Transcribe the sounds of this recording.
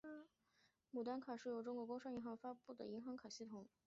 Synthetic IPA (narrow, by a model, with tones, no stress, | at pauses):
mu˨˩t̪a˥nkʰa˨˩ʂɻ̩˥˩jo˧˥ʊʈ͡ʂʊ˥ŋkwɔ˧˥kʊ˥ʂɑ˥ŋi˧˥ŋxɑ˧˥ŋfa˥pu˥˩d̪ə̰˩i˧˥ŋxɑ˧˥ŋkʰa˨˩ɕi˥˩t̪ʰʊ˨˧˩ŋ